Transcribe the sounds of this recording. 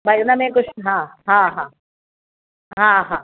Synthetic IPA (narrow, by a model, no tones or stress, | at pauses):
bajnɐmẽkʊʃɦãːɦãɦãː | ɦãɦãː